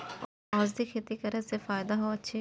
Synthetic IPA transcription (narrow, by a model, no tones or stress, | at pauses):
ɔːzd̪ikʰet̪ikɐɾəsefaːjd̪aɦoɐtːʃʰe